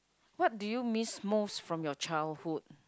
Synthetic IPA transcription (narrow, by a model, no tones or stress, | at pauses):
wɔt̚dujumismosfɹɔ̃mjɔt͡ʃaɪldhud̚